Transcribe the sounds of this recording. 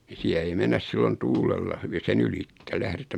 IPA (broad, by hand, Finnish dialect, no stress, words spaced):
ni siæ ei menːæs silːon tuːlelːɑ hyʋi sen ylitːe læhretæm